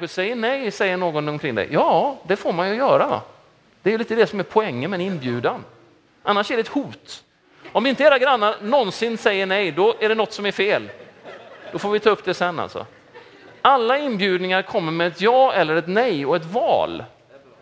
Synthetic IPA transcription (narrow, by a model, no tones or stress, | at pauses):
aɧəsɛjːəɳɛjsɛjːəɳoːɡɔnɔmkʰɾɪŋd̪ɛ̰jɑːd̪ɛfoːɾmanjɵjœːɾava̰ | d̪ɛɾjɵliːt̪əd̪ɛsɔmæɾpʰɔɛŋːəmɛnɪnbjʉ̟ːd̪an | ʔanːaʂæɖɛɛt̪huːt̪ | ɔmɪnt̪əeːɾaɡɾanːaɾnɔnsɪnsɛjːəɳɛjd̪ɔʔæɖɛnɔt̪ːsɔmæɾfeːl | d̪̥ɔfoːɾvɪt̪ʰɑːɵpːd̪ɛsɛnːa̰lt̪sɔ̰ | alːaɪnbjʉ̟ːd̪nɪŋaɾkʰɔmːəɾmɛːt̪jɑːɛlːəɾɛt̪nɛjɔɛt̪vɑ̰ːl